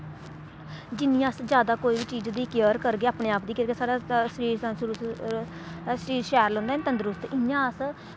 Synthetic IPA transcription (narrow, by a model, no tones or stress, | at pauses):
d͡ʒɪnĩasd͡ʒjaːd̪aːkoːiːbiːt͡ʃiːd͡ʒd̪iːkəɾkəɾɡeːaːpɳeːaːpd̪iːkəɾɡesaːɾaːsɾiːɾsasɾu | səɾiːɾʃɛːɾlɦõːnd̪aːɛnt̪ənd̪əɾʊst̪ɪjãːəs